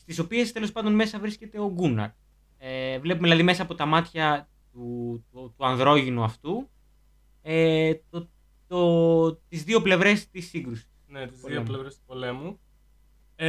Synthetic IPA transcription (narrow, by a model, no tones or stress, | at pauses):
st̪iso̞pie̞st̪e̞lo̞spɐnd̪onme̞sɐvɾisce̞t̪e̞o̞ɡunɐ̰ɾ | evle̞pumeilɐðime̞sɐːpo̞t̪ɐmɐt̪çɐ | t̪uut̪uɐnðɾo̞ʝinuɐft̪u | et̪o | t̪ot̪izðio̞ple̞vɾe̞st̪isːiŋɡɾusi̥snet̪izðioplevɾest̪u̥polemu